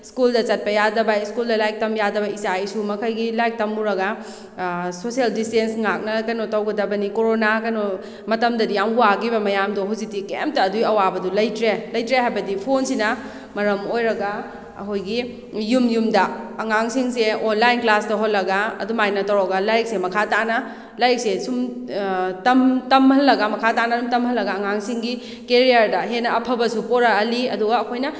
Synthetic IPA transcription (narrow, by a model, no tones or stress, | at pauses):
skuldɐt͡ʃɐt̚pɐjadɐbɐiskuldɐlajk̚tɐmjadɐbɐisajsumɐkʰɐjɡilajk̚tɐmːuɾɐɡɐ | sosieldistensŋak̚nɐkɐjnotɐwɡɐdɐbɐnikoɾonakɐjno | mɐtɐmdɐdijamuaɡibɐmɐjamdoɦuzik̚tikḛmp̚tɐːdujɐwabɐdulɐjtɾelɐjtɾeɦajbɐdipʰonsinɐ | mɐɾɐmojɾɐɡɐ | ɐ̰kʰojɡi | jumjumdɐɐŋaŋsiŋs̬eonlajnklastɐɦot̚lːɐɡaɐ̰dumajnɐtɐwɾoɡɐlajk̚semɐkʰatanɐ | lajk̚sesum | tɐmtɐmhɐlːɐɡɐmɐkʰatanɐsumtɐmhɐlːɐɡɐːŋaŋsiŋɡi | keɾijɐɾdɐɦenɐɐpʰɐbɐsupoɾɐɦɐliɐduɡɐːkʰojnɐ